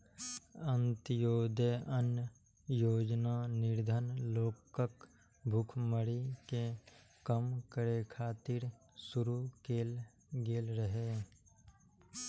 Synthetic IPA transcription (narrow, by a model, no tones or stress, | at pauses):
ənt̪joːd̪eənjə | joːd͡ʒnanɪɾd̪ʱənloːkək | bʱʊkʰməɾike | kəmkəɾekʰaːt̪iɾ | sʊɾukeːl | ɡeːlɾəɦe